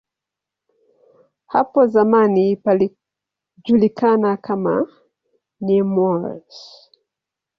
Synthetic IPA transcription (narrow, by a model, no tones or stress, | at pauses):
ha̰pɔzamanipali | ʄulikanakʰama̰ | nimɔɾs